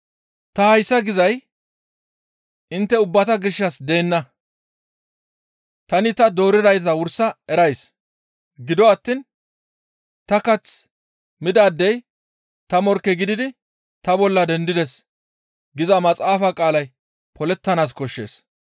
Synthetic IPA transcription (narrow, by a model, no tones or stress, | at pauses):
t̪ɐhɐjsːɐɡɪzɐj | ɪnt̪ːɛʊbːɐt̪ɐɡɪʃːɐsd̪e̞ːnːɐ | t̪ɐnɪt̪ɐd̪o̞ːɾɪd̪ɐjt̪ɐwʊɾsɐɛɾɐjs | ɡɪd̪ɔɐt̪ːin | t̪ɐkɐt͡s | mɪd̪aːd̪ːɛj | t̪ɐmɔɾkːɛɡɪd̪ɪd̪ɪ | t̪ɐbɔlːɐd̪ɛnd̪ɪd̪ɛs | ɡɪzɐmɐt͡sʼaːfakʼaːlɐj | pɔlɛt̪ːɐnaːs̬kɔʃːe̞̰ːs